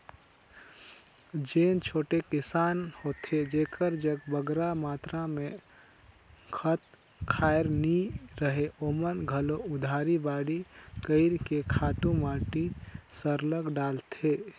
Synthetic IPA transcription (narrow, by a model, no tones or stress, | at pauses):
d͡ʒeːnt͡ʃʰoːʈekɪsaːnhot̪ʰed͡ʒeːkəɾd͡ʒəɡbəɡɾamaːt̪ɾamẽ | kʰət̪̚ | kʰaːeɾniɾəɦeʔoːmənɡʱəloʊd̪ʱaːɾibaːɽikəɪɾkekʰaːt̪ũmaːʈisəɾləkɖaːlt̪ʰeː